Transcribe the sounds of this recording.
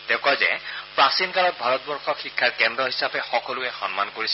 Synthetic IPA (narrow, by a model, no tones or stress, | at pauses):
dɛkazɛ̰pɹasinkalɔt̚bʱaɹɔt̚bɔɹxʰɔxikʰːaɹkɛndɹɔɦisapɛxɔkɔlʊɛxɔnma̰nkoɹisɛ